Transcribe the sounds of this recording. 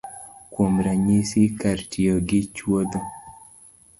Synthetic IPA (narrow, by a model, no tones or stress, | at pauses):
kwomɾaɲisikaɾtʰioɡɪt͡ʃwod̪o